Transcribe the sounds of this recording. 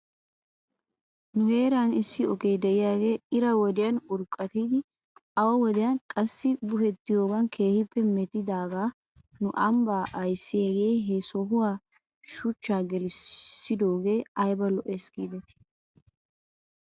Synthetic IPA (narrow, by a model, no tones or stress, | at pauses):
nʊheːɾaːnɪsːɪɔkeːd̪ɛʔɪjaːɡe̞ːɪɾɐwɔd̪ɪjɐnʊɾkʼːɐt̪iːd̪ɪ | ɐwɐwɔd̪ɪjɐnkʼɐsːɪbʊhɛt̪ːɪjo̞ːɡɐnkʰe̞ːhɪpːɛmɛt̪ɪd̪aːɡaː | nʊʔɐmbaːʔɐjsːɪeɡeːɦesɔɦʊwaː | ʃʊt͡ʃːaːɡɛlɪsːɪd̪o̞ːɡe̞ːɐjbɐlɔʔɛsɡiːd̪ɛt̪ɪ̥